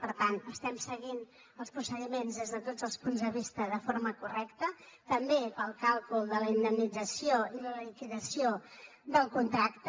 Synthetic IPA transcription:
pəɾt̪ant̪əst̪ɛmsəɣin | əlˠspɾusəðimenzðezðət̪od͡zəlˠspunzðəβist̪əðəfoɾməkurɛkt̪ət̪əmbepəlˠkalˠkulˠd̪ələind̪əmnid͡zəsioiðələlikiðəsio | d̪əlˠkunt̪ɾakt̪

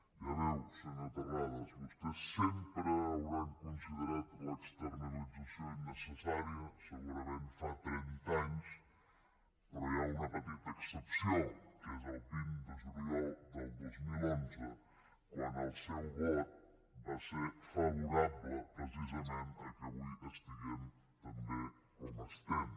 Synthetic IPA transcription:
iəβɛwsənat̪ɐɣaðəzβust̪esːɛmpɾəːwɾaŋkunsiðəɾat̪ekst̪əɾnəlid͡zəsjonəsəsaɾiəsəɣuɾamenfat̪ɾɛnt̪aɲs | pəɾojaunəpət̪it̪əːksəpsjokezalp̪ind̪əʒuɾiowd̪əlˠd̪ozmilonzə | kwanəlˠsɛwβɔt̪̚ | baseɾfɐβuɾaβləpɾəs̬izəment̪əkəβujəst̪iɣɛm | t̪əmbe | koməst̪ɛm

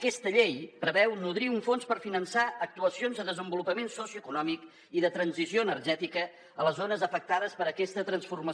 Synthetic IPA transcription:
əkɛst̪əʎejpɾəβɛwnuðɾiuɱfonspəɾfinənsaək̚t̪uəsionzðəðəzəmbulupəmensɔsiuəkunɔmik | iðət̪ɾənzizioənərʒɛt̪ikə | ələzonəzəfək̚t̪aðəspəɾəkɛst̪ət̪ɾənsfurmə

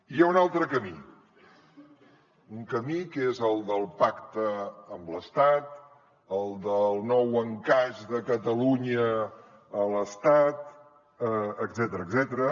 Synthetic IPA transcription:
ijaunalˠt̪ɾəkəmi | uŋkəmikezəlˠd̪əlˠpakt̪əəmbləst̪at̪̚ | əlˠd̪əlˠnɔwəŋkaʒðəkət̪əluɲəː | ləst̪at̪ | əəɡzɛt̪əɾəɡzɛt̪əɾə

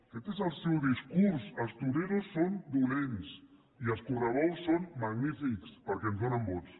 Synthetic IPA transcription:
fet̪esalˠsewðiskuɾsəlˠst̪uɾeɾosːond̪ulens | iəlˠskurəβɔlˠsːonmaɣnifikspəɾkenzβonambɔs

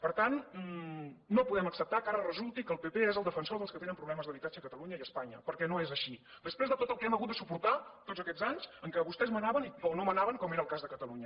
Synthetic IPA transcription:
pəɾt̪an | opuðɛməksəp̚t̪akaɾərəzulˠt̪ikəːlˠpepeezəlˠd̪əfənsoɾðəlˠskət̪enəmpɾuβlɛməzðəβit̪ad͡ʒəkət̪əluɲəiəspaɲə̰pəɾkɛnoezəʃid̪əspɾezðət̪ot̪əlˠkɛməɣut̪̚d̪əsupuɾt̪at̪otd͡zəkɛd͡zzaɲzəŋkɛβust̪ɛzmənaβənionomənaβəŋkɔmeɾəlˠkazðəkət̪əluɲə

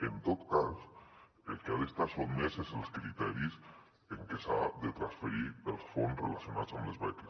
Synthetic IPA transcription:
ent̪ot̪kas | elkeaðest̪aɾsonmeseselskɾit̪ɛɾis | eŋkesaðet̪ɾasfeɾiɾelsfonsrḛlasjona̰t̪samlezβɛk̪es

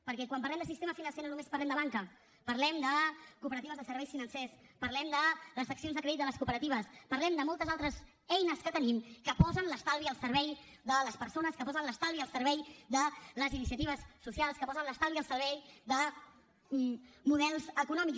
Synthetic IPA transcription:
pəɾkɛkwamp̬ɐɾlɛmnd̪əsist̪eməfinə̃nsenonumespəɾlɛmd̪əβaŋkə | pəɾlɛmd̪əkupəɾət̪iβəzðəsəɾβɛjsfinənsɛspəɾlɛmd̪ələzəksionzðəkɾɛðit̪ələskupəɾət̪iβ̞əspərlɛmd̪əmɔlˠt̪əzalˠt̪ɾəz | ɛjnəskət̪ənimkəpɔzənləst̪alˠβiəlˠsəɾβɛjðələspəɾsonəskəpɔzənləst̪alˠβiəlˠsəɾβɛjd̪ələzinis̬iət̪iβəsːusialˠskəpɔzənləst̪alβiəlˠsəɾβɛjd̪ə | muðɛlˠzəkunɔmik

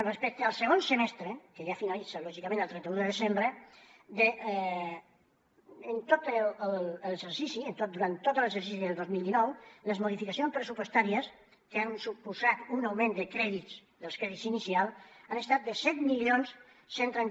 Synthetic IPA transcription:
rəspɛk̚t̪əːlˠsəɣ̞onsəmɛst̪ɾəkəʒafinalit͡səlɔʒikəmẽnəlˠt̪ɾɛnt̪əuðəðəzembɾəd̪ə | ənt̪ot̪əəlləɡzəɾsisiənt̪ot̪̚d̪uɾant̪ːot̪ələɡzəɾsis̬iðəlˠd̪ozmilˠd̪inɔwləzmoðifikəsionspɾəsupwəst̪aɾiəs | kəansupuzat̪unawmẽnd̪əkɾɛðisd̪əlˠskɾɛðisinisialˠanəst̪at̪̚d̪əsɛt̪milionsː | ent̪ɾen

